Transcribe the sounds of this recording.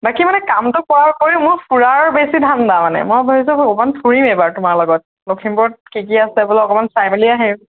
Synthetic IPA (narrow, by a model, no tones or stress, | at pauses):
bakimanɛkamtʊkɔakoɹĩʊ̃mʊɹpʰuɹaɹbesidʱandamanɛ̰mojbɔɦis̬ɔomantʰuɹimebaɹtʊmaɹlɔɡɔt̚ | lokʰimpɔɔt̚kikiasɛbɔlɔkɔmanpʰɹajmiliaɦɛ